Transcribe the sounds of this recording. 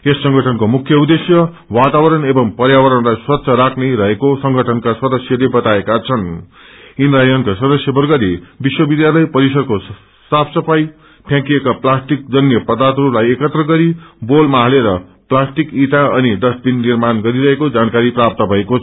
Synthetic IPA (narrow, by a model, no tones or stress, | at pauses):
esːʌ̃ŋɡʱʌʈʰʌnkomukʰjʌud̪esjʌ | wat̪awʌɾʌnebʌmpʌɾjawʌɾʌnlajswʌt̪ːsʰʌɾakʰneɾʌɦekosʌŋɡʱʌʈʰʌnkasʌd̪ʌsjʌlebʌt̪aekat͡sʰʌn | inrajʌnkasʌd̪ʌsjʌbʌrɡʌlebiswʌbid̪jalʌjpʌɾisʌdko | sapʰsʌpʰaj | pʰjãkijekaplasʈik̚d͡zʌnjʌpʌd̪at̪ɾulajekʌt̪rʌɡʌɾibolmaɦaleɾʌplasʈikit̪aʌniɖʌsʈ̚binːirmanɡʌɾiɾʌɦekod͡zankaɾiprap̚t̪ʌbʱʌeko